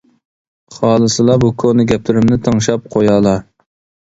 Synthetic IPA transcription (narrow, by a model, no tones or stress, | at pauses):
χɑːlˠɨsɨlˠɑbukʰonɨɡʲɛp̚t̪ʰɪɾɪmnɪt̪ʰəŋʃɑp̚qʰojɑːlˠɑ